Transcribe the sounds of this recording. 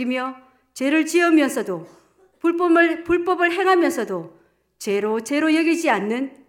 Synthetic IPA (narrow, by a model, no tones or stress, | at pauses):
imjʌ | t͡ɕe̞ɾɯɭt͡ɕiʌmjʌnsʰʌdo | pup͈ʌmpuɭp͈ʌbɯɭɦe̞ŋɦamjʌnsʰʌdo | t͡ɕe̞ɾot͡ɕe̞ɾojʌɡid͡ʑianːɯn